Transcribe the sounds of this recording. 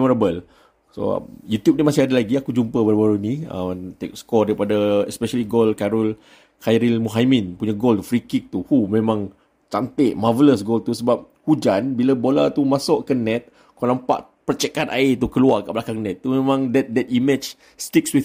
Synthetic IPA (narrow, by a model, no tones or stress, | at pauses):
mɔɾabəl | so̰jut̪jup̚nimasɪhadalaɡiakud͡ʒumpəbəɾbaɾuniə̰t̪ḛk̚skɔdaɾipadaɛspɛʃəliɡolkaɾɔl | kajɾilmuɦaminpuɲaɡolt̪ufɾikik̚t̪uhumẽmãŋ | t͡ʃant̪ɪʔmavələsɡolt̪usəbap̚ | hud͡ʒanbilabolat̪umasɔʔkənɛt̪̚ | kɔlampa̰ʔ | pərt͡ʃɛkana̰it̪ukəluakaʔbəlakaŋnɛt̪̚ːumemãŋdɛt̪̚dɛt̪̚imɛt͡ʃ | st̪ik̚swi